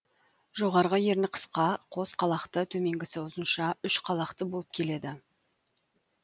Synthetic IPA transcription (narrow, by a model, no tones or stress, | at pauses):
ʒo̞ʁɑɾʁəje̞ɾnɪqʰə̥sqɑqʰo̞sqʰɑlˠɑqt̪ət̪ʰɵme̞ŋɡʲɪsɪʊzənʃɑʏʃqʰɑlˠɑqt̪əbo̞lˠəp̚kʲʰe̞le̞d̪ɪ